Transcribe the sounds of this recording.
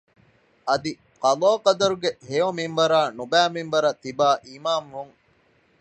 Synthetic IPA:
ʔɐd̪i | qɐloːqɐd̪ɐɾuɡeɦeominʋɐɾaːnubæːminʋɐɾɐt̪ibaːʔimaːmʋuŋ

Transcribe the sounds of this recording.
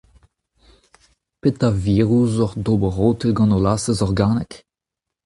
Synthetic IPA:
pet̪aviːʁuzɔʁdobəʁoːtəlɡɑ̃nolaːsəzɔʁɡaːnɛk

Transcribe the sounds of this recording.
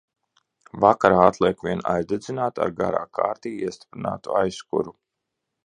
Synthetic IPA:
vakaɾaːat̪lˠiɛkvʲiɛna̰jzd̪ed̪zinaːt̪a̰ɾɡa̰ɾaːkʰa̰ːɾt̪iːiɛst̪i̥pɾina̰ːt̪uajskṵɾu

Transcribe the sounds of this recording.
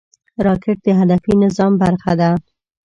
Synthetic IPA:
ɾɑkɪʈ̚d̪əɦad̪afinɪzɑmbaɾxad̪a

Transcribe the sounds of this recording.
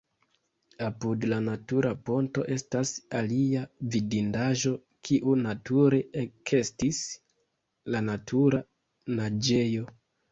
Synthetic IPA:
apudlanatuɾapo̞nto̞̰ʔe̞stasaliavidindaʒo̞ | kʰiʔunatuɾe̞ekʰe̞stis | lanatʰuɾa | nad͡ʒe̞jo̞

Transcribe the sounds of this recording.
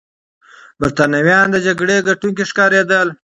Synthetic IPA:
baɾt̪anawjɑnd̪əd͡ʒaɡɽeɡaʈuŋkeʂkɑɾed̪əl

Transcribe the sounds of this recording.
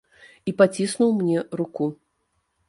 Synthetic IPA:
ipat͡sʲisnuwmnʲɛɾuku

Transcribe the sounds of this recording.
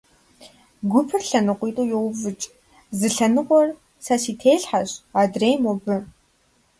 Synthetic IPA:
ɡʷʊpʰɨrɬɐnɨqʷit̪ʼuːjoːvɨt͡ʃʼ | zɨɬɐnɨqʷɔr | sasiːtʰeːɬħaɕadreːmobɨ

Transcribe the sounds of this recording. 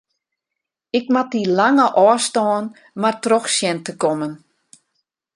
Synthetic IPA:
ɪkmat̚ilaŋəʔɔːstɔːn | martrɔxsjɛntəkɔmən

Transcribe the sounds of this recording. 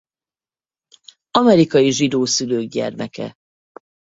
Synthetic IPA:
ɒmɛɾikɒjiʒid̪oːsyløːɡ̚ɟɛ̰rmɛkɛ̰

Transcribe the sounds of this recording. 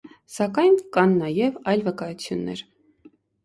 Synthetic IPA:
sɑkɑjnkɑnːɑjɛvɑjlvəkɑjut͡sʰjunːɛ̰ɾ

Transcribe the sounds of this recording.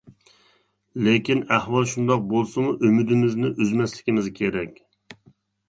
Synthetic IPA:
lekʲinæhwɑlˠʃund̪ɑq̚bolˠsɨmuʔømyd̪ɪmɪznɪʔyzmɛslɪkʲimɪzkʲʰeɾɛkʲ

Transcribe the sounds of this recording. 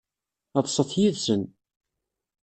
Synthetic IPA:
ɑt̪ˤsˤəθjiðsən

